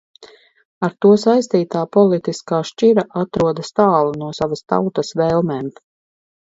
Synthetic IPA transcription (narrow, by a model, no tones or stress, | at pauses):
aɾt̪uɔsajst̪iːt̪aːpɔlˠit̪iskaːʃt͡ʃiɾaʔat̪ɾuɔd̪ɐst̪aːlˠunuɔsavast̪a̰wt̪asvɛlˠmɛm